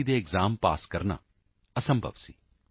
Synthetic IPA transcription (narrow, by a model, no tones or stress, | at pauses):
id̪eːɡzaːmpa̰ːskɐɾɐɳɐ̰ | ɐsɐmbʱɐ̰ʋsi